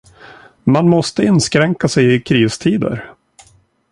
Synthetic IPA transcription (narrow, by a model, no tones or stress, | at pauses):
manmɔst̪əɪnskɾɛŋkasɛjɪkʰɾiːst̪ʰiːd̪ə̰ɾ